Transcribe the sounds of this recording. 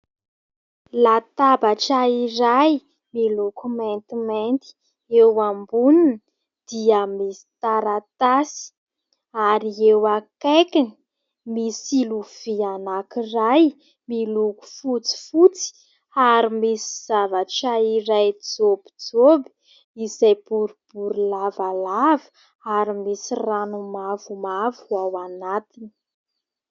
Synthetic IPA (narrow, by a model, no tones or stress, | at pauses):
lat̪abaʈ͡ʂaiɾaj | milukument̪iment̪i̥ | ewambunun | d̪̥iamisi̥t̪aɾat̪asi̥ | aɾiewakekini | misiluv̥ianakiraj | miluku̥fut͡si̥fut͡si̥ | aɾimisi̥z̥avaʈ͡ʂaiɾajd͡zob̥id͡zobi̥ | izajb̥uɾub̥uɾulavalavə̥ | aɾimisiranumavumavawanat̪ini̥